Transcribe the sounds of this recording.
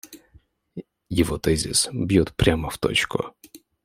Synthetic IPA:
jiʋɔt̪ɛzʲḭsbjut̪pɾʲamɐw̥t̪ɔ̰t͡ʃkʊ̰

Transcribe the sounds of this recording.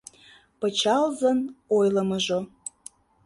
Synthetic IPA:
pət͡ɕɑlzənojləməʒo

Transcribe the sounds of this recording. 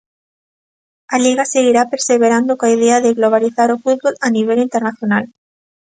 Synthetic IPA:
aliɣaseɣ̞iɾapeɾseβeɾand̪okoaiðeaðeɣloβ̞aliθaɾofut̪̚βolaniβ̞elint̪eɾnaθjonal

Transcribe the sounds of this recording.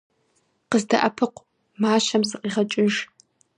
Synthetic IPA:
qəzdɐ̰ʔɐpʰɨqʷ | maːʃɐmsɨqiːʁɐt͡ʃʼɪʒ

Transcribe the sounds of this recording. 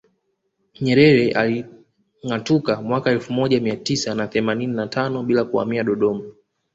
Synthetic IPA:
ɲɛɾɛɾɛʔa̰li | ŋatukamwakaɛlfumɔʄamiatisanaθɛmanininatʰanɔɓilakua̰miaɗɔɗɔma

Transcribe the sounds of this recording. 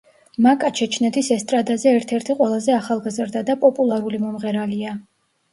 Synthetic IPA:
makʼat͡ʃʰɛt͡ʃʰnɛt̪ʰisɛst̪ʼɾad̪azɛːɾt̪ʰɛɾt̪ʰiqʼwɛlˠazɛaχalˠɡazɾd̪ad̪apʼɔpʼulˠaɾulimɔmʁɛɾalia

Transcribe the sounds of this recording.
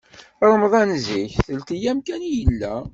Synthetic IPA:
ɾˤəmðˤænziçθəlt̪ijæmkænjəlːæ

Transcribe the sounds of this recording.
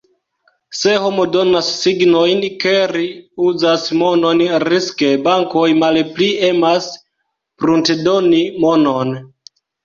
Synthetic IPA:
se̞ho̞modo̞nasːiɡnojnke̞ɾiuzasmo̞nonɾiske̞baŋkojmalplie̞mas | pɾuntedo̞nimono̞n

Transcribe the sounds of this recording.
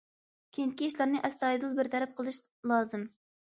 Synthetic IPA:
kʲʰeŋkʲiiʃlæɾnɪʔɛst̪ɑːjid̪ɨlˠbɪɾt̪ʰɛɾæp̚qʰəlˠɨʃ | lˠɑːzɨm

